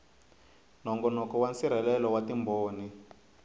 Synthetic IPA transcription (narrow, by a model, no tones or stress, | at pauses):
n̤ɔŋɡɔnɔkɔwansiɾ̤ɛlɛlɔwatimboːni